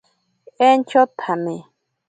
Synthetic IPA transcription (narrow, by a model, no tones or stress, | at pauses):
ent͡ʃot̪ʰamɪ